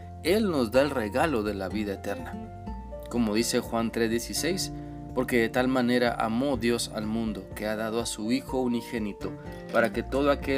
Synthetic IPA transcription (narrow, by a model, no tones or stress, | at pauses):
e̞lno̞zðae̞lre̞ɣalo̞ðe̞laβiðaet̪e̞ɾna | ko̞mo̞ð̞ise̞xwant̪ɾezðjesise̞js | po̞ɾke̞ðet̪almãne̞ɾa̰ʔa̰mo̞ðjo̞sa̰lmũnd̪o̞ke̞aðað̞o̞asuixo̞unixe̞nit̪o̞ | paɾake̞t̪o̞ðoake